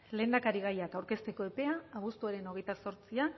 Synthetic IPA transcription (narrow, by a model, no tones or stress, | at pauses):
le̞ːnd̪akaɾiɣ̞ajakawɾke̞st̪e̞ko̞e̞pe̞aːβust̪uaɾe̞no̞ɣ̞e̞jt̪aso̞ɾt͡sia